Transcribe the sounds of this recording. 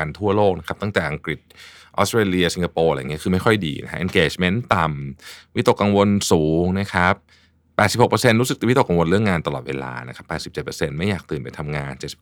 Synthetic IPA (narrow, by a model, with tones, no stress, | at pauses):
a˧nt̪ʰu˥˩ɐloː˥˩k̚na˦˥kʰa˦˥t̪ɔ˥˩ŋt̪ɛː˨˩ʔa˧ŋkɾi˨˩t̪̚ | ʔɔ̰˦˥st̪ɾeː˧li˧ɐsi˧ŋkʰa˧poː˧ɾa̰˧˨˩ŋi˦˥kɯː˧ma˥˩jkʰɔ˥˩jdiː˧na̰˦˥kʰa˦˥ʔe˧nkeː˨˩t͡ɕme˦˥nt̪a˨˩mwi˦˥t̪o˨˩kːa˧ŋwo˧nsuː˩˦ŋna˦˥kʰa˦˥p̚ː | ɛː˨˩t̪si˨˩p̚ho˨˩pə˧se˧nɾu˦˥sɯ˨˩k̚t̪i˧˩i˦˥t̪o˨˩ka˧ŋwo˧nlɾɯ˥˩əŋaː˧nt̪a˧lɔ̰ː˨˩t̪̚wḛː˧la̰ː˧na˦˥kʰa˦˥pːɛː˨˩t̪̚si˨˩pt͡ɕe˨˩pəː˧se˧nma˥˩jːaː˨˩k̚t̪ɯː˨˩npa˧jt̪ʰa˧mŋaː˧nt͡ɕe˨˩t̪̚si̥˨˩